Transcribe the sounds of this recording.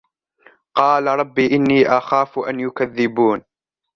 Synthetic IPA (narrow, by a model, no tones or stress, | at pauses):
qɑːlaɾˤɑbːiːʔɪnːiːʔaxaːfʔanjʊkaðːɪbuːn